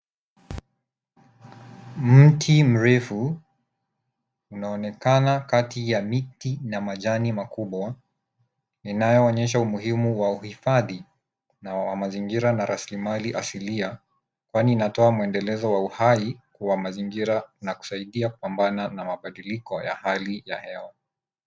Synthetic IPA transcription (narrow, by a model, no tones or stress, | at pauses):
m̩tʰim̩ɾɛfu | unaɔnɛkanakatijamitinamaʄanimakuɓwa | ninajɔːɲɛʃ̬aumuhimuwauhifaði | nawamaziŋɡiɾanaɾasilimaliʔasilia | kwaniːnatɔamuɛndɛlɛzɔwauhaikuwamaziŋɡiɾanaku̥saiɗiaku̥pambananamaɓaɗilikɔja̰halija̰hɛwa